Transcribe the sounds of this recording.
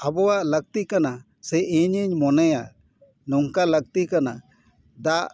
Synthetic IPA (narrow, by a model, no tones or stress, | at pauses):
abɔwaʔləɡ̚t̪ikana | sɛʔiɲiɲmɔnɛja | nɔŋkaləɡ̚t̪ikana | d̪aʔ